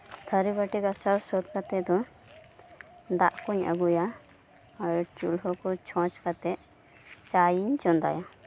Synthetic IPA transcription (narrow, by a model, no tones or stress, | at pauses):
t̪ʰəɾibaʈikasaɾsɔt̪̚kat̪ɛd̪ɔ | d̪aʔkuɲa̰ɡuja | aɾt͡ʃulɦɔkɔt͡ʃʰɔ̃t͡ʃkat̪ɛ | t͡ʃajiɲt͡ʃɔnd̪a̰ja